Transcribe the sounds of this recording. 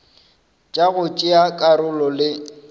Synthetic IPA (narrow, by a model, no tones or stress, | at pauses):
t͡ʃʼaɣʊt͡ʃʼɪakʼaɾʊlɔlɪ